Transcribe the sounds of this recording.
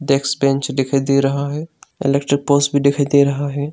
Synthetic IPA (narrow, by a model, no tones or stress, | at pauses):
ɖɛːksbɛ̃ːnt͡ʃɖekʰajd̪eːɾɐɦaɦɛːɪ̰lekʈɾɪk̚poːsbʱiɖ̪ekʰajd̪eːɾɐɦaɦɛː